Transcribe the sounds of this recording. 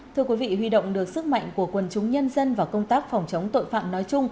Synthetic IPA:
t̪ʰɨ˧əkwi˨˦vḭ˧˨ɦwi˧ɗo̰˧˨wŋ͡mɗɨ˨˩ək̚sɨ˦˥k̚ma̰˧˨jŋ̟ku˧˩əkwə˨˩nt͡ɕʊ˨˦ŋ͡mɲə˧nzə˧nvaː˨˩wkə˧wŋ͡mt̪aː˦˥k̚fɔ˨˩wŋ͡mt͡ɕə˨˦wŋ͡mt̪o̰˧˨jfa̰ː˧˨mnɔ˨˦jt͡ɕʊ˧ŋ͡m

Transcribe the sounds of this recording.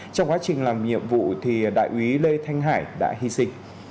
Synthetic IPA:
t͡ɕɔ˧wŋ͡mkwaː˨˦t͡ɕï˨˩ŋ̟laː˨˩mɲḭ˧˨əmvṵ˧˨t̪ʰi˨˩ɗa̰ː˧˨jʔwi˨˦le˧t̪ʰa˧jŋ̟ɦaː˧˩jɗa̰ː˧˥ɦi˧sï˧ŋ̟

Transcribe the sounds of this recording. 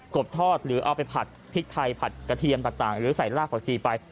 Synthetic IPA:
ko˨˩p̚t̪ʰɔː˥˩t̪̚ɾɯː˩˦ʔa˧wpa˧jpʰa˨˩t̪̚pʰi˦˥k̚t̪ʰa˧jpʰa˨˩t̪̚ka˧t̪ʰi˧ənt̪aː˨˩ŋ̚t̪aː˨˩ŋɾɯː˩˦sa˨˩jlaː˥˩pa˨˩t͡ɕʰiː˧pa˧j

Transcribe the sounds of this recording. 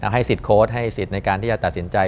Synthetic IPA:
ɦa˥˩jsi˨˩t̪̚kʰoː˦˥t̪̚ɦa˥˩jsi˨˩t̪̚na˧jkaː˧t̪ʰiː˥˩t͡ɕa˨˩t̪a˨˩t̪si˩˦nt͡ɕa˧j

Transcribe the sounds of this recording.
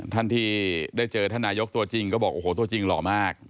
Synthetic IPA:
t̪ʰa˥˩nt̪ʰiː˥˩daː˥˩jt͡ɕɤː˧t̪ʰa˥˩naː˧˥jo˦˥k̚t̪u˧ɐt͡ɕi˧ŋkɔː˥˩bɔː˨˩kʔoː˧˩hoː˩˦t̪̬u˧ɐt͡ɕi˧ŋlɔː˨˩maː˥˩k̚

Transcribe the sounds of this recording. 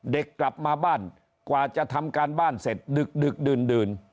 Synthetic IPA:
de˨˩kːla˨˩p̚maː˧baː˥˩n | kwaː˨˩t͡ɕa˨˩ʔt̪ʰa˧mkaː˧nbaː˥˩nse˨˩t̪̚dɯ˨˩k̚dɯ˨˩k̚dɯː˨˩ndɯː˨˩n

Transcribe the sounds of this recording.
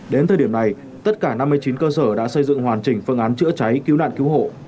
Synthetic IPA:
ɗe˨˦nt̪ʰəː˨˩ɗi˧˩əmna˨˩j | t̪ə˦˥t̚kaː˧˩na˧mːɨ˧əjt͡ɕi˨˦nkəː˧səː˧˩ɗa̰ː˧˥sə˧jzɨ̰˧˨ŋhwaː˨˩nt͡ɕï˨˩ŋ̟fɨ˧ŋʔaː˨˦nt͡ɕɨ̰˧˥t͡ɕa˨˦jki˨˦wna̰ː˧˨nki˨˦wɦo̰˧˨

